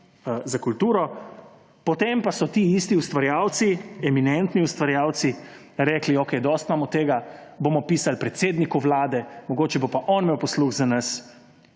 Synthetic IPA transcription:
zakult̪uːɾɔ | pɔt̪empasɔt̪iːist̪iust̪ʋaɾjaːwt̪siɛminɛnt̪niust̪ʋaɾjaːwt̪si | ɾɛːkliokɛjd̪ɔst̪maːmɔt̪ːeːɡaboːmɔpiːsalpɾɛt̪seːd̪nikuʋlaːd̪ɛmɔɡoːt͡ʃɛbopaʔɔnmeːwpɔsluɣzanas

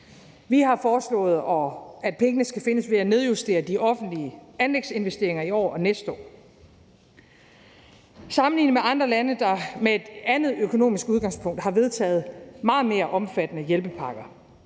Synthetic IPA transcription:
ʋihɑ̈fɒːslɔ̰̽ːð̩ˠɒ̽æd̥̚pʰeŋənəsɡ̥æfe̝nəsʋe̝æne̝ð̞ˠjusd̥e̝̰ːɐd̥iʔɒ̽fn̩d̥liəænleɡ̥se̝nʋesd̥e̝ɐe̝ŋɐiɒ̰ːɒ̽nesd̥ɒ̰ː | sɑ̈mn̩lḭːnəmeɑ̈nd̥ʁɐlænəd̥ɑ̈meed̥ænð̩ˠøkʰo̝no̝̰ːmisɡ̥uð̞ˠɡ̥ɑ̈ŋspʰɔ̽ŋ̰d̥hɑ̈ʋe̝ð̞ˠt͡sʰɛ̰ːð̞̩ˠmɑ̈ːð̩ˠme̝ːɐʔɒ̽mfæd̥ənəjelb̥əpʰɑ̈ɡ̥ɐ

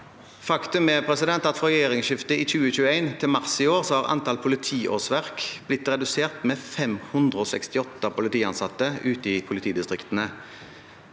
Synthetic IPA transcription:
fɑkt̪ʉmɛpʰʁɛsɪd̪ɛnt̪ɑt̪fʁɔʁɛjeːʁɪŋsʃɪft̪əiːçʉːəçʉːəæɪnt̪ʰɪlmɑʁsɪoːʁsɔhɑːʁɑ̰nt̪ʰɑlpʰʊlɪt̪ʰiːʔo̰ːsʋæʁkb̥lɪt̪ːʁɛd̪ʉseːʁt̪meːfɛmhʉnd̪ʁəoːsɛ̰kst̪ɪɔt̪ːəpʊlɪt̪iːɑnsɑt̪ːəʉːt̪əiːpʰʊlɪt̪ʰiːd̪ɪst̪ʁɪkt̪ənə

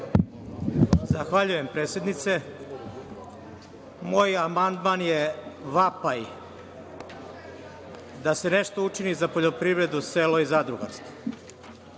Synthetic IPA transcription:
zaxʋaʎuje̞mpɾet̪sʲje̞d̪nit̪se̞ | moːjamand̪manjeʋapaj | d̪ase̞neʃt̪out͡ʂinizapo̞ʎo̞pɾivɾe̞d̪useːlo̞izad̪ɾuɡa̰ɾst̪vo̥

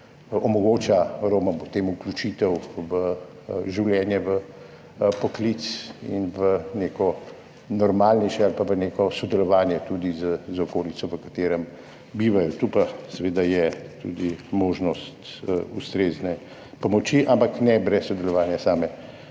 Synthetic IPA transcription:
ɔmɔɡoːt͡ʃaɾoːmɔmpɔt̪eːmuklʲut͡ʃiːt̪ɛwʋə | ʒiwljɛːnjɛʋə | pɔklit̪sḭnʋəneːkɔ | nɔɾmaːlnɛjʃɛalpaʋəneːkɔsɔd̪ɛlɔʋaːnjɛt̪ud̪izəzɔkoːlitsɔʋəkat̪eːɾəm | biːʋajɔt̪upasɛʋeːd̪ajɛt̪ṵd̪imoːʒnɔst̪ust̪ɾeːznɛ | pɔmɔt͡ʃiʔampaknɛbɾɛsːɔd̪ɛlɔʋaːnjasaːmɛ

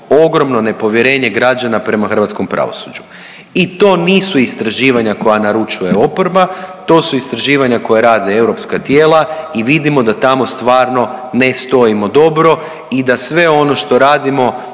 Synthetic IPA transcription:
o̞ɡɾo̞mno̞ne̞po̞ʋje̞ɾe̞ːɲe̞ɡɾad͡ʒanapɾe̞maxr̩ʋat̪sko̞mpɾa̰ʋo̰sud͡ʒu | it̪o̞ːniːsuist̪ɾaʒiːʋaɲako̞janaɾut͡ʃuje̞o̞poɾbat̪o̞ːsuist̪ɾaʒiːʋaɲako̞jaɾaːd̪eewɾo̞pskat̪jeːlˠaiʋid̪imo̞d̪at̪amo̞st̪ʋaːɾno̞nest̪o̞imo̞d̪o̞bɾo̞ | id̪asʋe̞o̞no̞ʃt̪o̞ɾaːd̪imo̞

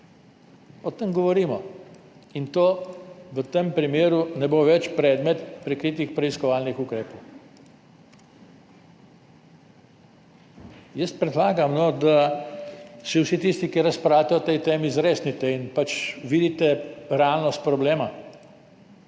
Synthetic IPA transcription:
ɔt̪əmɡɔʋɔɾiːmɔ | int̪oːʋət̪empɾimeːɾunɛboʋɛt͡ʃpɾɛːd̪mɛt̪pɾɛkɾiːt̪̬ixpɾɛiskɔʋaːlnixukɾeːpɔw | jəst̪pɾɛd̪laːɡamnɔd̪a | siwsit̪ist̪ikiɾaspɾaːwt̪ɛɔt̪ɛjt̪eːmizɾeːsnit̪ɛinpat͡ʃʋiːd̪it̪ɛɾɛalnɔst̪̚pɾɔbleːma

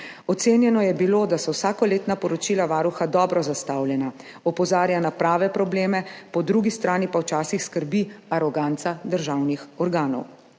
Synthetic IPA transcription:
ɔt̪seːnjɛnɔjɛbiloːd̪asɔwsaːkɔleːt̪napɔɾɔt͡ʃilaʋaːɾuxad̪ɔːbɾɔzast̪awljɛna | ɔpɔzaːɾjanapɾaːʋɛpɾɔbleːmɛpɔd̪ɾuɡist̪ɾaːnipawt͡ʃaːsixskəɾbiaɾɔɡant̪sad̪əɾʒaːwnixɔɾɡaːnɔ̰w

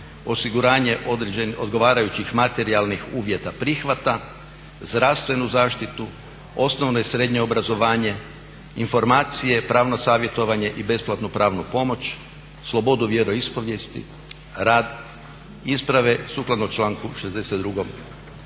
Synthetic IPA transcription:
o̞siɡuɾaːɲe̞ʔeeno̞̰d̪ɡo̞ʋaːɾajut͡ɕixmat̪e̞ɾialˠnixuːʋje̞t̪apɾixʋat̪a | zd̪ɾaʋst̪ʋe̞nuzaːʃt̪it̪u | o̞snoʋnoisɾe̞d̪ɲeobɾazo̞ʋaːɲe̞ | info̞ɾmaːt̪sije̞pɾaːʋnosaːʋje̞t̪o̞ʋaɲe̞ʔibe̞splˠat̪nupɾaːʋnupo̞mo̞t͡ʃ | slˠo̞bo̞d̪uʋje̞ɾo̞ispo̞ʋje̞st̪ḭ | ɾaːd̪ | ispɾaʋe̞suklˠad̪not͡ʃlˠaːŋkuʃezd̪e̞set̪d̪ɾuɡom

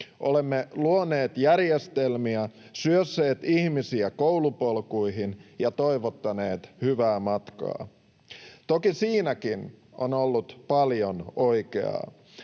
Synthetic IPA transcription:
ʔolemːeluone̞ːt̪jærjest̪e̞lmiæ | syøsːeːt̪ihmisiækowlupolkuiɦinjɑt̪oijʋot̪ːɑne̞ːt̪hyʋæːmɑt̪kɑ̰ː | t̪okisiːnækinʔonolːut̪pɑljono̞jkḛɑ̰

